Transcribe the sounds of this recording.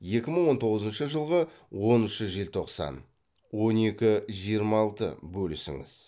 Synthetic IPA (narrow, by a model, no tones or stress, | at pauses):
je̞kʲɪməɴwo̞nt̪ʰo̞ʁəzənʃəʒəlˠʁəwo̞nnʃəʒelt̪ʰo̞qsɑ̰n | wo̞ne̞kʲɪʒijəɾmɑlˠt̪ə̰bɵlɪsɪ̰ŋɪ̰z̥